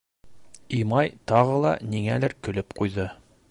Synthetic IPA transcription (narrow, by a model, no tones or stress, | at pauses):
imɑjt̪ɑʁɤlˠɑ̰niŋælæɾkɵ̆lɘpqujðɤ